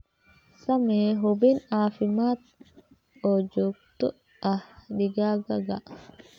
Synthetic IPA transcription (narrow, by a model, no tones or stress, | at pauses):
sɐmeːɦɔbiːnaːfɪmaːt̪ | oːd͡ʒokt̪ɔ | ɐhɗɪɡaːɡɐɡɐʔ